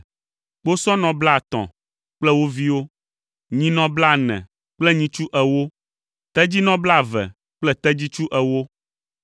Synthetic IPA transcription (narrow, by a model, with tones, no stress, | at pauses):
k͡po˦sɔ̃˦nɔ̃˨bla˦˨t̪ɔ̰̃˨ | k͡plɛ˦wo˦vi˦wo˦ | ɲĩ˦nɔ̃˦bla˦˨nɛ̰̃˨ | k͡plɛ˦ɲĩ˦t͡ʃu˦ʔɛ˨wo˦ | t̪ɛ˦d͡ʑi˦nɔ̃˦bla˦˨vɛ̰˨ | k͡plɛ˦t̪ɛ˦d͡ʑi˦t͡ʃu˦ʔɛ˨wo˦